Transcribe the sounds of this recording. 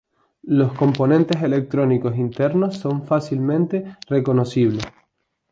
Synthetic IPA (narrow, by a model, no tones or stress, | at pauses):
lo̞sko̞mpo̞nẽnt̪e̞se̞le̞k̚t̪ɾo̞niko̞sint̪e̞ɾno̞sːo̞ɱfasilmẽ̞nt̪e̞re̞ko̞no̞siβle̞s